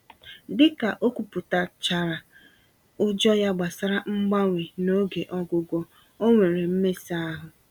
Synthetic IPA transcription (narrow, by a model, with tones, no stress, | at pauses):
dɪ˦ka˨ʔo˦kʷu˨pʊ˨ta˨t͡ʃa˨ɾa˨ | ʊ˦d͡ʒɔ˦ja˦ɡ͡ba˨sa˦ɾa˦ŋ͡m̩˦ɡ͡ba˦ŋʷe˨no˦ɡe˨ʔɔ˦ɡʊ˨ɡʷɔ˨ | o˦ŋʷe˨ɾe˨m̩˦me˦si˦a˦ɦʊ˨